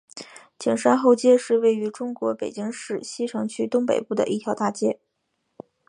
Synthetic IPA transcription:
t͡ɕi˨˩ŋʂa˥nxo˥˧ʊt͡ɕjɛ˥˧ʂɻ̩˥˧we˥˩ɪy˧˥ʈ͡ʂʊ˥ŋkwɔ˧˥pe˨˩ɪt͡ɕi˥ŋʂɻ̩˥˩ɕi˥ʈ͡ʂʰɤ˧˥ŋt͡ɕʰy˥t̪ʊ˥ŋpḛ˨˩ɪpu˥˩d̪ə̰˩ʔi˥˩t̪ʰjɑ˧˥ʊt̪a˥˩t͡ɕjɛ˥

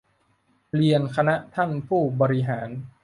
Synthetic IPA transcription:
ɾi˧ənkʰa˧na˦˥ʔt̪ʰa˥˩npʰuː˥˩bɔː˧ɾi˦˥ɦaː˩˦n

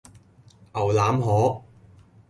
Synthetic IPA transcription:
ʔɐ˨˩wlaː˨˥mɦɔː˨˥

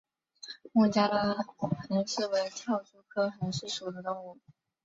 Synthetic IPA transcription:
mu˥˩t͡ɕja˥d̪ə˨˩ni˧˥ŋʂɻ̩˥˩we˧˥ɪt̪ʰjɑ˥˩ʊʈ͡ʂu˥˩kʰɤ˥ə˨˩nə˧˥ʂɻ̩˥˩ʂu˨˩d̪ə˦t̪ʊ˥˧ŋu˥˩

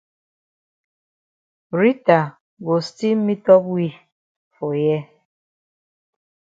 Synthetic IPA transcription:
ɾi˦ta˨ | ɡo˨sti˦m̩˦mi˦tɔ˦bwi˦ | fʊ˨jɛ˦

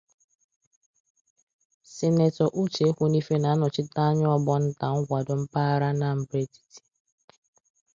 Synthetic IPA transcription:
sɪ˨ne˨tɔ˨ʔu˦t͡ʃe˦kʷu˦ni˦fe˦na˨a˦nʊ˨t͡ʃɪ˦ta˦a˦ɲ˦ɔ˦bɔ˦n̩˦ta˨ŋ̩˦kʷa˨dʊ˨m̩˦pa˦ɾa˦na˦m̩˦bɾe˦ti̥˨ti̥˨

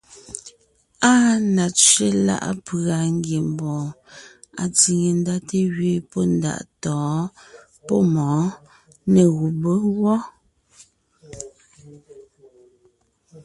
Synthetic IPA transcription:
aː˦na˨t͡ʃɥe˦la̰˦ʔa̰˦pɰa˨ŋ˦ɡje˨m˨bɔ̃ː˨ | a˨t͡si˨ŋe˨n˦da˦te˦ɣɥe˦˨pɔ˦n˦da̰˨ʔtɔː˨˦ | pɔ˦mɔː˨˦ | ne˨ɣu˨bə˦wɔ˦

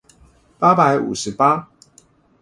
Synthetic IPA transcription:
pa˥pa˨˦ɪṵ˨˩ʂɻ̩˨˦pa˥

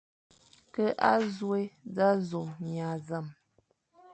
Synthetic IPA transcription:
kə˦ʔa˦zwe˦da˦zu˨mɲa˨za˦˨m

